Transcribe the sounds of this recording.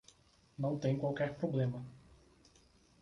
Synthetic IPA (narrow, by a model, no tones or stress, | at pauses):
nɐ̃w̃t̪ẽj̃kwawkɛɾpɾoblẽmɐ